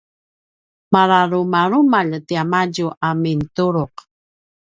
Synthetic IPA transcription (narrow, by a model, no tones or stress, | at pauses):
maɾaɾumaɾumaʎtiamaɟuʔamintuɾuq